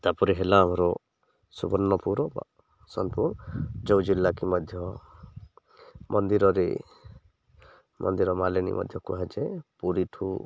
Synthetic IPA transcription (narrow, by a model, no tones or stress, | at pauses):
t̪apɔɾiɦelaːmɔɾɔ | subɔɾnːɔpuɾɔba̰ | sɔnpuɾd͡ʒɔw̃d͡ʒilːakimɔd̪ʱjɔ | mʔɔnd̪iɾɔɾe | mʔɔ̰nd̪iɾɔmalenḭmʔɔ̰d̪ʱjɔkuɦad͡ʒepuɾiʈʰu